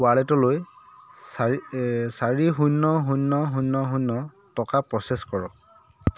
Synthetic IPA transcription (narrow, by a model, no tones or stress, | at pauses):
walɛtɔloj | saɹiɦunːɔɦunːɔɦunːɔɦunːɔ | tɔkapɹɔseskɔɹɔ